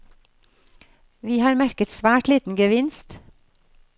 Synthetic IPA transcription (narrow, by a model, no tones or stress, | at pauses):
ʋiːhɑːɾmæɾkət̪sʋæːʈliːt̪n̩ɡəʋɪnst̪